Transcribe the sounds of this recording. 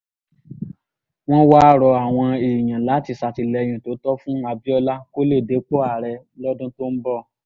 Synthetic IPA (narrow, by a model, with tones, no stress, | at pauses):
w̃ɔ̃˦wa˦˨ɾɔ˧a˨w̃ɔ̃˧e˨j̃ã˨la˨˦ti˧sa˨ti˧˨lɛ˧j̃ĩ˨to˨˦tɔ˦fũ˦a˧bi˦ɔ˧la˦ko˦le˦˨de˨˦k͡po˦a˨ɾɛ˧ | lɔ˦dũ˦to˦nm̩˦bɔ˦˨